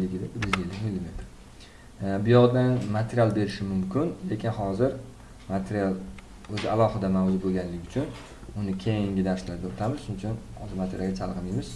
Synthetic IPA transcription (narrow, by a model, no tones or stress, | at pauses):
ɪɡʲɪd̪ɪbɪɾɪzelːɪkʲmɪlːime̞t̪ʰɪ̥ | bʊjɒʁd̪anmat̪ʰeɾijalˠbe̞ɾɪʃɪmʊmkʲɪnle̞kʲʰɪnɦɒzɪɾ | mat̪ʰeɾijalˠ | ɵzɪalˠɒhɨd̪amawd͡ʒʊɾbolˠɡʲanlɪɡʲʊt͡ʃʰʊn | ʊnɪkʲʰejɪŋɡʲɪd̪aɾslaɾd̪ɪot̪ʰamɪz̥ʃʊnɪt͡ʃʰʊn | ɒzɪmat̪ʰeɾjaɡʲat͡ʃʰalˠʁɨmijmɪz̥